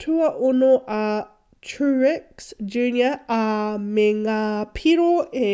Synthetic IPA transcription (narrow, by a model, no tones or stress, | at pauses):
t̪ʰuɐʔonoʔɐ | tʰuɹɪksd͡ʒʉnjɐɐmeŋapʰiɾoe